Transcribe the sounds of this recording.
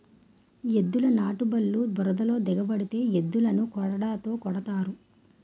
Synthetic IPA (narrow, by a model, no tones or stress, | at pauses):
ed̪ːulɐnaːʈubɐlːubɔɾɐd̪ɐlo̞ːd̪ɛɡɐbɐɽit̪e̞ːjed̪ːulɐnukɔɽɐɽaːt̪o̞ːkɔɽɐt̪aːɾu